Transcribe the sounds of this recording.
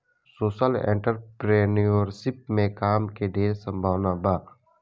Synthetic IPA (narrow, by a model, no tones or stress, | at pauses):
soːʃəlḛ̃ɳʈəɾpɾeːnioɾsɪp̚mẽkaːmkeɖ̪ʱeːɾsə̃mbʱaːʋnabaː